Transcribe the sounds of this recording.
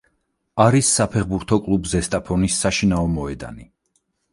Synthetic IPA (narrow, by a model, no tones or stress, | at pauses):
aɾisːapʰɛχbuɾt̪ʰɔkʼlˠubzɛst̪ʼapʰɔnisːaʃinaɔmɔɛd̪a̰ni